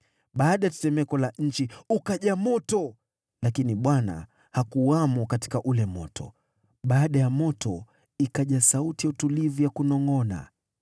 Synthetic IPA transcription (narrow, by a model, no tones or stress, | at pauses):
ɓaːɗajatɛ̥sɛmɛkɔlaɲ̩t͡ʃiukaʄamɔtɔ | lakiniɓwana̰ | hakuwamɔkati̥kaʔulɛmɔ̰tʰɔ̰ | ɓaːɗajamɔtʰɔ | ikaʄasautijautulivujakunɔŋɔna̰